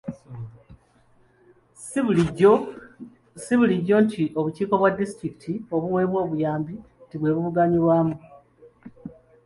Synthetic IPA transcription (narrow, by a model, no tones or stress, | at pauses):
s | siβuliɟːo̞ːntʰiʔo̞βuciːko̞βwadːistɾiki̥tʰio̞βuwe̞ːβwo̞ːβujaːmbi | tiβwe̞ːβuβuɡaɲiɾwaːmu